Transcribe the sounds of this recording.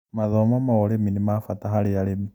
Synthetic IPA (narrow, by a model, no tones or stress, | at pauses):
maðɔmamaoleminimafataɦaɾealemi